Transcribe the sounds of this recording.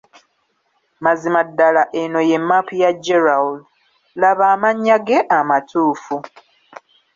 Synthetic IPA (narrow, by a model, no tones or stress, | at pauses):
mazimadːalaʔeno̞je̞mːapʰujad͡ʒeɾaul | laβaːmaɲːaɡe̞ʔamatʰuːfu